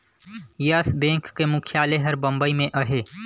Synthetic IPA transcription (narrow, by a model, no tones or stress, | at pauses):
jɐsbẽːŋkːemʊkʰjaːleɦəɾbə̃mbəimẽʔəɦeː